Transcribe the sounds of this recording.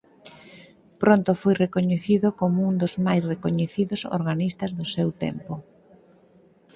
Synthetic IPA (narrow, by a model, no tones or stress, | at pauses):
pɾont̪ʊfojrekoɲeθiðʊkomʊund̪ʊzmajsrekoɲeθiðʊso̰ɾɣanist̪ɐzðʊsewt̪ɛ̰mpʊ